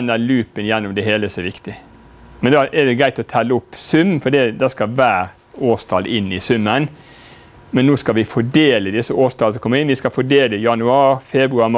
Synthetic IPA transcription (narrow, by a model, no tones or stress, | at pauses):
nːəlʉːpənjɛnːʊmd̪ɛɦeːləsɔʋɪkt̪ɪ | mɛnd̪ɑʔɛd̪ɛɡɾæɪt̪ɔt̪ʰɛlːəʊpːsʉmːfɔɖid̪ɑskɑʋæːɾ | oːst̪ʰɑlɪnːɪsʉmːən | mɛnːoːskɑlʋɪfɔɖeːləd̪ɪsːəoːst̪ʰɑːlsɔmkʰɔməɾɪnʋɪskɑfɔɖeːləjɑnʉɑːɾfɛbɾʉɑɾm